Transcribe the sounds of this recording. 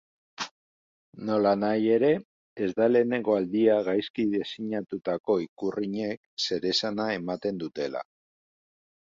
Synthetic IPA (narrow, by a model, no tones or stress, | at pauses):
no̞lanaje̞ɾe̞ː | zd̪ale̞ːne̞ŋɡo̞ald̪iaɣajskiðe̞siɲat̪ut̪ako̞ikuriɲe̞k̚se̞ɾe̞sanae̞mat̪e̞nd̪ut̪e̞la̰